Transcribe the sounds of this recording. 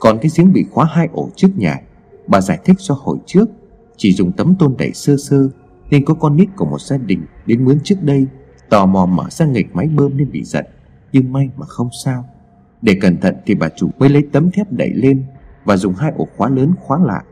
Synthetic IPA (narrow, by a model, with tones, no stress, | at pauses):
kɔ˨˩nkaː˨˦jzi˨˦əŋɓḭ˧˨xwaː˨˦ɦaː˧jʔo˧˩t͡ɕɨ˦˥ək̚ɲa̰ː˨˩ | ɓaː˨˩zaː˧˩jt̪ʰï˦˥k̚zɔ˧ho̰˧˨˩jt͡ɕɨ˦˥ək̚ | t͡ɕi˧˩zʊ˨˩ŋ͡mt̪ə˨˦mt̪o˧nɗə̰˧˩jsəː˧səː˧ | ne˧nkɔ˨˦kɔ˧nːi˦˥t̚ku˧˩mo˨˩t̚z̥aː˧ɗï˨˩ŋ̟ɗe˨˦nmɨ˨˦nt͡ɕɨ˦˥ək̚ɗə˧j | t̪ɔ˨˩mɔ˨˩məː˧˩z̥aː˧ŋi˨˩k̚ma˨˦jɓəː˧mne˧nɓḭ˧˨z̥ə̰˧˨n | ɲɨ˧ŋma˧jmaː˨˩xə˧wŋ͡msaː˧w | ɗe˧˩kə˨˩nt̪ʰə̰˧˨nt̪ʰi˨˩ɓaː˨˩t͡ɕu˧˩mə˨˦jlə˨˦jt̪ə˨˦mt̪ʰɛ˦˥p̚ɗə̰˧˨jle˧nvaː˨˩zʊ˨˩ŋ͡mɦaː˧jʔo˧˩xwaː˨˦ləː˨˦nxwaː˨˦la̰ː˧˨ʔ